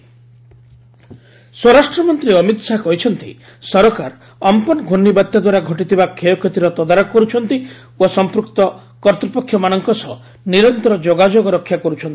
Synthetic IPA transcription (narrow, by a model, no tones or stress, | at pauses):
swɔɾasʈɾɔmɔnt̪ɾiɔmit̪sakɔɦit͡ʃʰɔnt̪i | sɔɾɔkaɾ | ɔmpɔnɔɡʱonːibat̪ːjɔd̪waɾaɡʱɔʈit̪ibakʰejɔkʰet̪iɾɔt̪ɔd̪aɾɔkkɔɾut͡ʃʰɔnt̪i | osɔmpɾukt̪ɔ | kɔɾt̪ɾɔpɔkʰːjɔmañɔŋkɔsɔ | niɾɔnt̪ɔɾɔd͡ʒoɡad͡ʒoɡɔɾɔkʰjakɔɾut͡ʃʰɔnt̪i̥